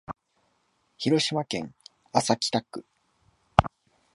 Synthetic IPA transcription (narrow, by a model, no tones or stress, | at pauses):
çiɾo̞ɕimakẽ̞ŋ | asakʲi̥t̪akːɯ̟